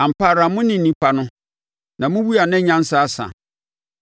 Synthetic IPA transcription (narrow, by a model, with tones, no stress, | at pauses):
ã˨m̩˨pʰaː˨ɾa˨mʊ̃˦nɪ̃˨n̩˨ĩ˦pʰa˨nʊ̃˦ | nã˨mʊ̃˦wu˦a˨nɪ̃˦ɲã˦n̩˦sa˦a˦sã̰˨